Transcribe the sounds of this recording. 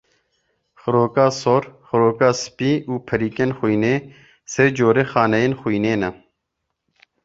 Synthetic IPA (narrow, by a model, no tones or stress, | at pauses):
xʊɾoːkaːsoːɾxʊɾoːkaːspiːuːpʰɐɾiːkenxuineː | sed͡ʒoːɾexaːnɐjenxujneːnɐ